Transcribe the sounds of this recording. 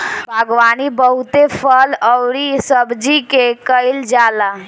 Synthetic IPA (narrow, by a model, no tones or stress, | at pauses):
bʱaɡʋaːnibəɦut̪epʰələwɾisəbd͡ʒikekəɪld͡ʒaːla